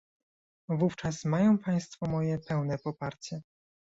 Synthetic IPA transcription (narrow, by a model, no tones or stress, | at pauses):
vuft͡ʂasmajɔ̃w̃paj̃st̪fɔmɔjɛpɛwnɛpɔpaɾt͡ɕɛ